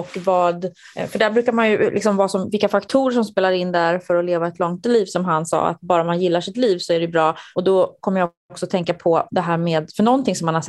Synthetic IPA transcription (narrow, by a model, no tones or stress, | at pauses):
ɔkːvɑːd̪ | fœɖæːbɾʉ̟ːkaɾmanjɵlʔɪksɔmvɑːsɔmvɪlkːafakt̪ʰuːɾəʂɔmspeːlaɾɪnːd̪æɾfœɾɔleːvaɛt̪ʰlɔŋt̪liːvsɔmɦansɑ̰ːa̰t̪̚bɑːɾamanjɪlːaʂɪt̪liːvsɔæɖɛjɵbɾɑːɔd̪ɔkʰɔmːəɾja | ɔksɔt̪ʰɛŋkapʰɔd̪ɛɦæːɾmeːd̪fœɳɔnt̪ʰɪŋsɔmːanhaɛ